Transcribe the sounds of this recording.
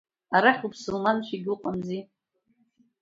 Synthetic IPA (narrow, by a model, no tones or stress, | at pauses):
aɾaχʲupʰsɨlmanʃʷᶣiɡʲuqʼamzi